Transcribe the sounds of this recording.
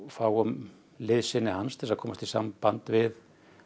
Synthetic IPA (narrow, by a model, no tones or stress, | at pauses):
faːwʏm | lɪðsɪnːɪhanst̪ʰɛsakʰɔːmast̪isa̰mpant̪vɪð